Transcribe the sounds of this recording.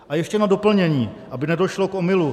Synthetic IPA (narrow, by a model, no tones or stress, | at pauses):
ʔajɛʃcɛnado̞pl̩ɲɛɲiːʔabɪnɛdo̞ʃlo̞kʔo̞mɪlu